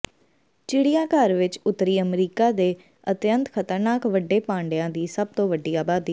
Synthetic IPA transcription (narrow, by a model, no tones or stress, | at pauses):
t͡ʃɪɽijãːkəɾʋɪt͡ʃʊt̪ːɾiːəmɾiːkaːd̪eː | ət̪jənt̪kʰət̪əɾnaːkʋəɖeːpãːɳɖɪjãːd̪iːsəb̚t̪õːʋəɖːiːaːbaːd̪iː